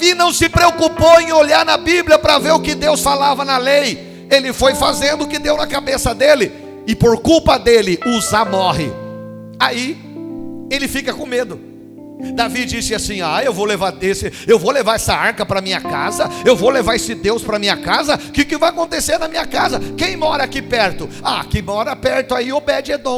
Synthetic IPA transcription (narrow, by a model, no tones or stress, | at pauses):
ɪnɐ̃w̃sɪpɾeokupowẽj̃oʎaɾnɐbibliɐpɾɐveɾʊkɪd̪ewsfalavɐnɐlej | elɪfojfazẽnd̪ʊʊkɪd̪ewnɐkabesɐd̪elɪ | ɪpoɾkuwpɐd̪elɪuzamɔɦɪ̰ | ai | elɪfikɐkõmed̪ʊ | d̪avid͡ʒisɪasĩaewvowlevaɾesɪewvowlevaɾɛsɐaɾkɐpɾɐmĩɲɐka̰zɐewvowlevaɾesɪd̪ewspɾɐmĩɲɐkazɐkɪʊkɪvajakõnt̪eseɾnɐmĩɲɐkazɐkẽj̃mɔɾɐakipɛɾt̪ʊ | akɪmɔɾɐpɛɾt̪ʊaiopɛd͡ʒɪed̪õ